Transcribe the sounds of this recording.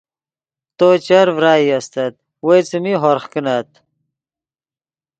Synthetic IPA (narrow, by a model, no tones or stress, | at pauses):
t̪ot͡ɕɐɾvɾaːjɐst̪ɐt̪̚ | wet͡sɨmiɦoɾχkənat̪̚